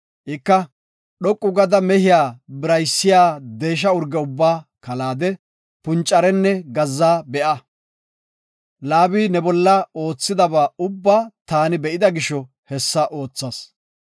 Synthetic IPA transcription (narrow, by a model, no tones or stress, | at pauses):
ʔɪkːɐ | ɗɔkʼːʊɡɐd̪ɐmɛhɪjaːbɪɾɐjsːɪjaːd̪e̞ːʃ̬ɐʊɾɡɛʊbːaːkɐlaːd̪ɛ | pʊnt͡ʃʼːɐɾɛnːɛɡɐzːaːbɛʔɐ | laːbiːnɛbɔlːɐo̞ːt͡sːɪd̪ɐbaːʊbːat̪aːnɪbɛʔɪd̪ɐɡɪʃɔ | hɛsːɐʔo̞ːt͡sːɐs